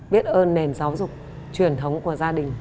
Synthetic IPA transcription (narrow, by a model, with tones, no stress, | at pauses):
ɓi˦˥ət̚ʔəː˧nːe˨˩nzaː˨˦wzʊ˨˩k͡p̚ | t͡ɕwi˨˩ənt̪ʰə˨˦wŋ͡mku˧˩əzaː˧ɗï˨˩ŋ̟